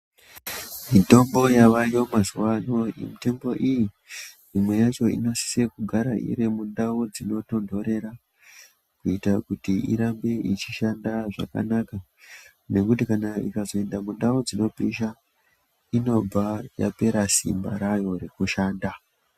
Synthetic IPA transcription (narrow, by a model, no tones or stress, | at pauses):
mito̞mbo̞jaʋajo̞mazuwano̞ḭmitembo̞ʔiji | mimwe̞jat͡ʃo̞ḭno̞si̥sekuɡʱaɾaʔḭɾemundaod͡zino̞to̞ndʱo̞ɾe̞ɾa | kuitakutiḭɾambe̞ʔit͡ʃiʃandaʐa̰ka̰naka | ne̞kutikanaikazo̞e̞ndamundaud͡zino̞piʃa | ino̞b͡vaja̰pe̞ɾasḭmba̰ɾajo̞ɾekuʃaːnda